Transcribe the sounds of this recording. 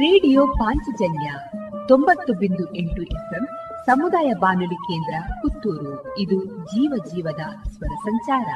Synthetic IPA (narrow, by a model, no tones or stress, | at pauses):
ɾeːɽijoːpaːɲt͡ʃid͡ʒɐnja | t̪ombɐt̪ːubind̪uʔeɳʈuʔepʰem | sɐmud̪aːjɐbaːnulikeːnd̪ɾɐkut̪ːuːɾuid̪ud͡ʒiːʋɐd͡ʒiːʋɐd̪ɐsʋɐɾɐsɐɲt͡ʃaːɾɐ̰